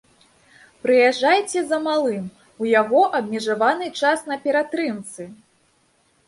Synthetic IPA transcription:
pɾɨjaʐajt͡sʲɛzɐmalˠɨm | ujaɣɔʔɐbʲmʲɛʐavanɨt͡ʂasn̪ɐpʲɛɾat̪ɾɨmt̪sɨ

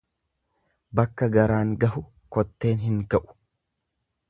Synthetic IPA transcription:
bɐkːɐɡɐɾaːŋɡɐhʊ | kɔt̪ːe̞ːnɦɪŋkɐʔʊ̥

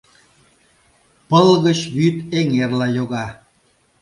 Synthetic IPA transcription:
pəlɣət͡ɕβyt̪eŋerlɑjoɣɑ

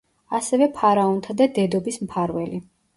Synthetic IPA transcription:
asɛvɛpʰaɾaɔnt̪ʰad̪ad̪ɛd̪ɔbismpʰaɾvɛli

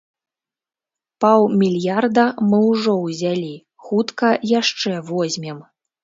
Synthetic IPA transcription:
pawmʲilʲjard̪ɐmɨwʐɔwzʲalʲi | xut̪kɐjaʂt͡ʂɛvɔzʲmʲɛm

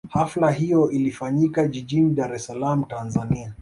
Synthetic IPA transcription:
haflaɦijɔʔilifaɲikaʄiʄiniɗaɾɛsalam̩tanzania

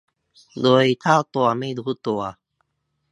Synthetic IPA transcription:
d̪oːit̪ʰaːt̪oamẽd̪uhut̪owa

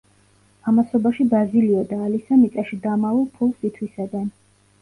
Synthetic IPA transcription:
amasɔbaʃibɾaziliɔd̪aːlisamit̪sʼaʃid̪amavɛlˠpʰulˠsit̪ʰwisad̪an

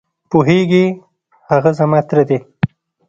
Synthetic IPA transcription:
poɦeɡi | haɣazamat̪ɾad̪e

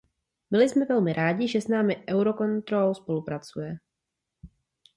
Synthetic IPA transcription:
bɪlɪsmɛvɛlmɪɾʔaːɟɪʒɛsnaːmɪʔɛwɾo̞ko̞nt̪ɾolowspo̞lupɾat͡sujɛ

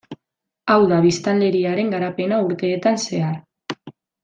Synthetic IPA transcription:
awðaβ̞ist̪alle̞ɾiaɾe̞ŋɡaɾape̞nauɾt̪e̞ːt̪anse̞aɾ

